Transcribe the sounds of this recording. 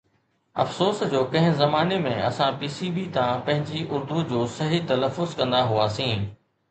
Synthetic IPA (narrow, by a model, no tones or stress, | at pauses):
ɐ̰fsoːsd͡ʑoːkɐ̃ɦɪ̃zɐmaːnemẽɐ̰sãpiːsibit̪ãpɐ̃ɦɪ̃ɲd͡ʑiʔʊɾd̪ud͡ʑoːsɐɦit̪ɐləfːʊzkɐ̃nd̪aɦuaːsĩː